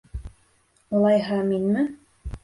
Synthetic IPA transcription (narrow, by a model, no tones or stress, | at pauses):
ulˠɑjɦɑminmɘ